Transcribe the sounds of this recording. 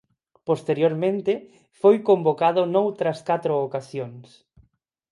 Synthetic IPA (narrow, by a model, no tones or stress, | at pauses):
post̪eɾjoɾmẽnt̪ɪ | fojkombokaðʊnowt̪ɾɐskat̪ɾoːkasjoŋs